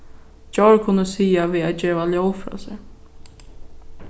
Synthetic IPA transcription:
d͡ʒɔɹkʰʊnːəsiːaʋiːad͡ʒeːʋaljowfɾɔ̰ːsɛ

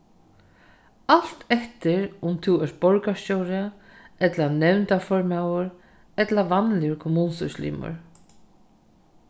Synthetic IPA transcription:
al̥t̪ɛht̪ɪɾʊmt̪ʰɪwɛɾ̚bɔɹkascowɾɪa | ɛt̪lanɛwnt̪afɔɹmawʊɾ | ɛt̪laʋanlɪʊɾkʰʊmuːnsʊ̰slḭːmʊ̰ɹ

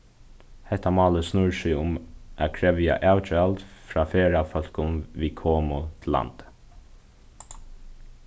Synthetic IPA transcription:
hɛht̪ːamɑːləsnʊɹsɪʊmʔakʰɾɛʋja̰ʔaːwt͡ʃalt̪fɾaːfeːɹafœl̥kʊnʋiːkʰoːmʊt̪ʰɪlːa̰nt̪

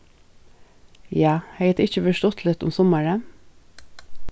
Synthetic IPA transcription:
jɑːheɪt̪ɪçəfɔʃtɔt̪ʰlɛt̪ʊ̰msɔməɹə

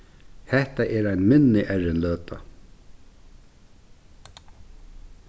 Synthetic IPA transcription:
hɛht̪aʔɛɾajnmɪnːɪʔɛɾɪnlœːt̪a̰

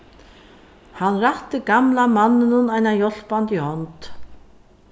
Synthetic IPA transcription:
hanɾaht̪ɪɡamlamanːɪnʊnajnajɔl̥pant̪ihɔnt̪

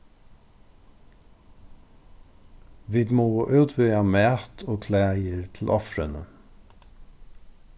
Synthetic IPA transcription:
ʋiːd̪moːʔøːd̪ʋœːɑmæːt̪ʰoːkʰlæːɪəɾt̪ʰl̩ʔɔfɾənə

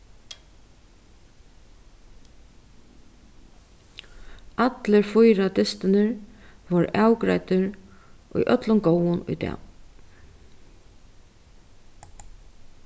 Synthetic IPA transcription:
ʔat̪ləɾfʊjɾat̪ɪst̪ɪnɪɹʋɔɾawkɾa̰jt̪ɪɾʔʊ̰jʔœt̪lʊmɡowʊnʊ̰jt̪ɛ̰

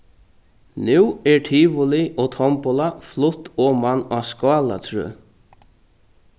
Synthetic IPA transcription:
nʉːɛɹʈʰiːʋʊliʔɔt̪ʰɔmpʊlaflʊt̪ɔːmanaːskɑːla̰t̪ʰɹø̰ː

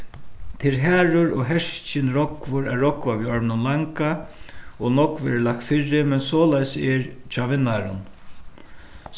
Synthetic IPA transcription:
t̪ʰɪlɦæːɾʊɾɔɦɛʂt͡ʃɪnɾɔkvʊɾæɹːɔkvaʋiːɔɹmnʊnlaŋka | ɔnɔkvɛ̰ɾlak̚t̪fɪɹːɪmɛnsɔːlajsɛɹt͡ʃʰɑːʋɪnːaɾʊ̰n

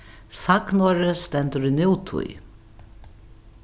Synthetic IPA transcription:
saknɔːɾɪst̪ɛnt̪ʏɾinɪwt̪ʰṵj

